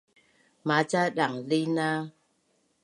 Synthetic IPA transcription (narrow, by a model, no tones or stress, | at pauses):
mat͡ʃaɗaŋlina